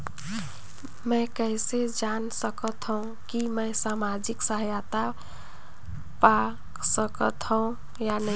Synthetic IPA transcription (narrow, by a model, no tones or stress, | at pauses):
məɪkəsed͡ʒansəkət̪ɦə̃ũ | kiməɪsamad͡ʒiksəɦjat̪a | pa | səkət̪ɦəũ | janə